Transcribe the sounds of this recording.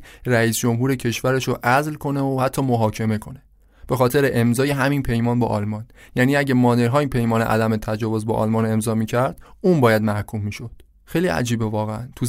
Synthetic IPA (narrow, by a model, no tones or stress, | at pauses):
ræiːsd͡ʒo̞mɦuːɾe̞cʰe̞ʃvæɾeʃoʔæzlkʰo̞neohæt̪ʰːɒːmoɦɒːcʰe̞me̞kʰo̞ne | b̥e̞xɒːt̪ʰe̞ɾeʔemzɒːjeɦæminpʰe̞jmɒːnbɒ̰ʔɒlmɒn | jæːniːæɟemɒːd̪eɾɦɒːinpʰe̞jmɒːnḛʔæ̰d̪æmet̪ʰæd͡ʒɒːvozbɒ̰ːʔɒ̰ːlmɒːne̞mzɒːmiːcʰæɾd̪̥ũːnbɒːjæd̪mæhkʰumːiːʃo̞d̪̥ | xejliʔæ̰d͡ʒiːbevɒːɣeænt̪ʰu